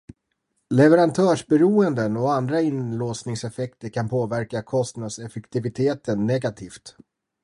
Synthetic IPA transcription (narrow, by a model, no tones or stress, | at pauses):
lɛvɛɾant̪ʰœːʂbɛɾuːənd̪ənɔand̪ɾaɪnloːsnɪŋsɛfɛkt̪əɾkʰanpʰoːvæɾkakʰɔst̪nad̪sɛfɛkt̪ɪvɪt̪ʰeːt̪ənːɛɡat̪ʰiːft̪